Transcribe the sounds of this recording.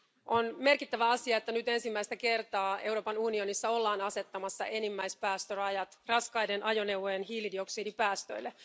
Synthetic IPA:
ʔo̞nme̞rkit̪ːæʋæɑsiɑet̪ːænyt̪e̞nsimːæjst̪æke̞rt̪ɑːe̞wɾoːpɑnunio̞nisːɑo̞lːɑːnɑse̞t̪ːɑmɑsːɑ̰ʔe̞nimːæjspæːst̪ørɑjɑt̪rɑskɑjdenʔɑjo̞ne̞wʋːojenɦiːlidio̞ksiːdipæːst̪øjlːe̞

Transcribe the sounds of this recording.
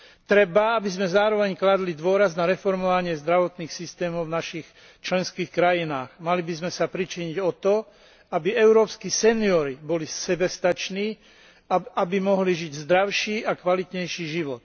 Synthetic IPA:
t̪ɾɛbaabizmɛzaːɾɔʋɛɲklad̪lid̪ʊɔɾaznaɾɛfɔɾmɔʋaɲɪɛzd̪ɾaʋɔt̪niːxsist̪ɛːmɔʊvnaʃix | t͡ʃlɛnskiːxkɾajinaːɣmalibizmɛsapɾit͡ʃiɲiɟɔt̪ɔ | abiɛʊɾɔːpskiːsɛniɔɾibɔlisɛbɛst̪at͡ʃniː | abimɔɦliʒiɟzd̪ɾaʊʃiːʔakʋalit̪ɲɛjʃiːʒiʋɔt̪̚

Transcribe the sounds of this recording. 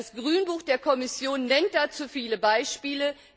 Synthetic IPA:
asɡ̥ʁyːnbuːxd̥eːɐkʰɔmɪsjoːnːɛnt̚d̥at͡suːfiːləbaɪʃpiːlə

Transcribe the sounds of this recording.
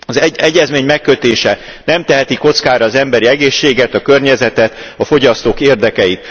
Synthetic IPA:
ɒzɛɟːɛzmeːɲmɛkːø̞t̪eːʃɛ | nɛmt̪ɛɦɛt̪iko̞t̪skaːɾɒːzɛmbɛɾiɛɡeːʃːeːɡɛt̪ɒkørɲɛzɛt̪ɛt̪ɒfo̞ɟɒst̪oːkeːrd̪ɛkɛjit̪

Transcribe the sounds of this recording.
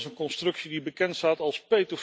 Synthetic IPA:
sənkɔnstrɵksidibəkɛntstaːtɑlˠspejdof

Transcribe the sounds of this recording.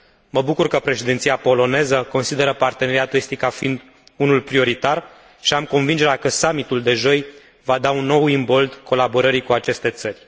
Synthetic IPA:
məbukurkəpɾe̞ʃed̪int̪siapo̞lo̞ne̞zəko̞nsid̪e̞ɾəpart̪e̞ne̞ɾiat̪oest̪ikafiind̪ | unulpɾio̞ɾit̪ar | ʃiamko̞nvind͡ʒe̞ɾeakəsamit̪uld̪e̞ʒo̞j | vad̪aunːo̞wimbo̞ld̪ko̞labo̞ɾəɾikuat͡ʃe̞st̪e̞t̪sərʲ

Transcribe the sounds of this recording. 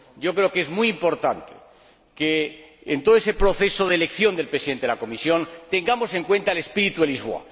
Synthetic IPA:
ɟ͡ʝo̞kɾe̞oke̞zmujimpo̞ɾt̪ant̪ḛ | keːnt̪oðoesepɾo̞θe̞soð̞elekθjo̞nd̪e̞lpɾesiðet̪eðelako̞misjo̞nt̪e̞ŋɡamo̞se̞ŋkwe̞nt̪aele̞spiɾit̪uelizβoa̰

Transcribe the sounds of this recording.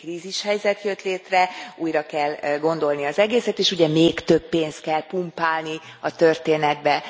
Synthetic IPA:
kriːziʃhɛjzɛt̪jøt̪leːt̪rɛuːjrɒkɛlɡo̞nd̪o̞lniɒzɛɡeːsɛt̪eːʃuɟɛmeːkt̪øbːeːnst̪kɛlpumpaːlni | ɒt̪ørt̪eːnɛd̪̚bɛ

